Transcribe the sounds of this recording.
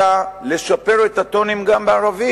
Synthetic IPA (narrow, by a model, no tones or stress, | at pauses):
ale̞ʃape̞ʁet̪at̪o̞nimɡambeaʁavi